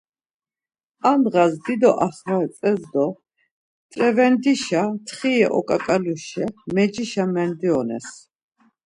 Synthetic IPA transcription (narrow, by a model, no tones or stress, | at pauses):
amʁazd̪id̪ɔʔaχvaɛt͡s̪ʼɛzd̪ɔ | t̪ʼɾɛvɛnd̪iʃat̪ʰχiɛʔɔkʼakʼaluʃɛmɛd͡ʒiʃamɛnd̪iɔnɛ̰s